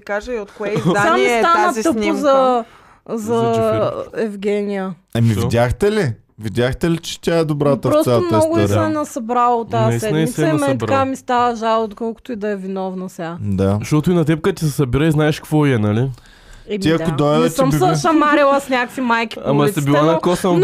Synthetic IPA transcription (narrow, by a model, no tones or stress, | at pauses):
ikaʒəiot̪̚kɛjamist̪anət̪əpʊzɐ | zɐ | ɛvɡʲɛnʲijə | ɐmivid̪ʲaxt̪ɛli | vid̪ʲjaxt̪ɛlit͡ʃɛ̥t̪ʲaɛd̪obɾat̪ɐɾɔsamnnɔɡʊisɛnɐsɐbɾalˠot̪ːasɛd̪mit̪ɐimɛnɾkamist̪avəʒalˠt̪kɔlˠkʊ̥t̪oid̪ɐɛvinɔvnɐsʲad̪aʃt̪ɔt̪ʊinɐt̪ɛp̚kət̪isɛsɐbiɾəiznaɛʃkvɔiɛnɐli | iɐʊd̪ot̪misʃɐmaɾilˠɐsnʲakəkfimajki̥amɐsibilˠanɐkosəmn